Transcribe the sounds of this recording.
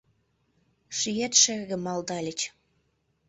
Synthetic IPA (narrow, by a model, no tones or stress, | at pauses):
ʃyjet̪ʃĕɣə̆mɑld̪ɑlʲə̆t͡ɕ